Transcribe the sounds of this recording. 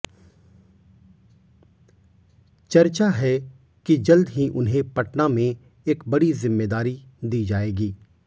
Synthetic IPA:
t͡ʃɐɾt͡ʃaɦɛ | kid͡ʒɐld̪ɦĩʔʊnɦẽpɐʈnamẽ | eːkbɐɽizɪmːeːd̪aːɾi | d̪iːd͡ʒaːeːɡiː

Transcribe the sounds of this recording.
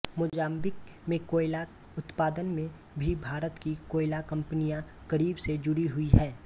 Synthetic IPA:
mʊd͡ʒaːmbɪk̚mẽkoːɪla | ʊt̪paːd̪ənmẽ | bʱibʱaːɾət̪kikoːɪlakɐ̃mpənijã | kəɾiːbsed͡ʒʊɾiɦʊiɦɛː

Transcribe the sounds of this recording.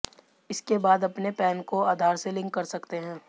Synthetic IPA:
ɪskebaːd̪ɐpnepɛːnkoaːd̪ʱaːɾselɪ̃ŋkːɐɾsɐkt̪eɦɛ̃ː

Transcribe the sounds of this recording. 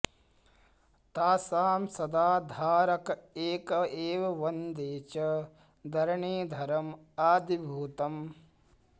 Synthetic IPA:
t̪aːsaːmsɐd̪aːd̪ʱaːɾɐkɐeːkɐeːʋɐʋɐnd̪eːt͡ʃɐ | d̪ʱɐɾɐɳeːd̪ʱɐɾɐm | aːd̪ibʱuːt̪ɐm

